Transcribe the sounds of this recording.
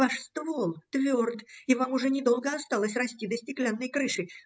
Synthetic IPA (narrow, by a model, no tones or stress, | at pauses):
vaʂst̪volˠt̪vʲord̪ɪvamʊʐɛnʲɪd̪o̞lˠɡəɐst̪alˠəsʲrɐsʲtʲid̪əsʲtʲɪklʲanːəjkɾɨʂɨ